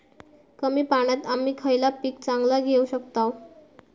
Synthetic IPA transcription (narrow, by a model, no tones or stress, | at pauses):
kəmiːpaɽ̃at̪amiːkʰəjlapiːkt͡saŋɡlaɡʱeuɕəkt̪aw